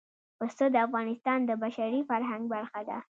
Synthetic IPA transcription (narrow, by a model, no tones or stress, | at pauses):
pəst̪od̪əafɣɑnɪst̪ɑnd̪əbaʃaɾifaɾɦaŋɡ̚baɾxad̪a̰